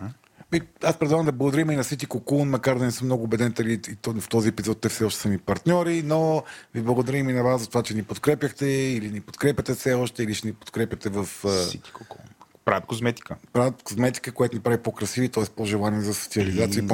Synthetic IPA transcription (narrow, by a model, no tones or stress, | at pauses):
miaspɾɛd̪vˠaɣəmd̪ɐblˠɐɡod̪ɐɾiminɐsit̪ikokunmɐkaɾd̪ɐnɛsɤmnɔɡʊːbɛd̪ɛnt̪ɐliift̪ɔziɛpizɔt̪̚ːɛfsɛɔʃt̪ɛ̥sənipɐɾt̪nʲɔɾinoviblˠɐɡod̪ɐɾiminɐvaszɐt̪ovat͡ʃɛnipot̪kɾɛpʲjəxt̪ɛilinipo̥t̪kɾɛpʲjɐt̪ɛfsɛɔʃt̪ɛiliʃɛnipo̥t̪kɾɛpjɐt̪ɛvəfit̪i̥koku | pɾat̪̚kozmɛt̪i̥kəpɾat̪kozmɛt̪i̥kəkojat̪onipɾavipokɾɐsivit̪ɔɛspoʒɛlˠaniɛzɐso̥t̪siɐlizat̪siə